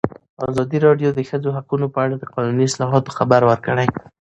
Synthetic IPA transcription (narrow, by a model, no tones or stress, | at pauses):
ɑzɑd̪iɾɑɖjod̪əxəd͡zoɦaqunopəaɽad̪əqɑnuniɪslɑɦɑt̪o̥xabaɾwəɾkəɽaj